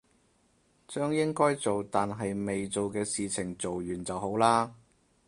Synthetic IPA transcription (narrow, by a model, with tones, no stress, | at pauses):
t͡ʃœː˥ŋjɪ˥ŋkɔː˥jt͡so˨wt̪aː˨nɦɐ˨jme˨jt͡so˨wkɛː˧siː˨t͡sʰɪ˨˩ŋt͡so˨wjyː˨˩nt͡sɐ˨wɦo˨˥wlaː˥